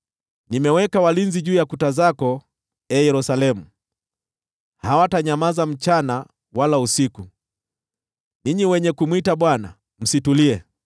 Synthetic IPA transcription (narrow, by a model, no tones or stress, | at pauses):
nimɛwɛkawalinziʄuːjakutazakɔ | ɛjɛɾusalɛmu | hawataɲamazam̩t͡ʃana | walausiku | niɲiwɛɲɛkumwitaɓwana̰ | m̩situliɛ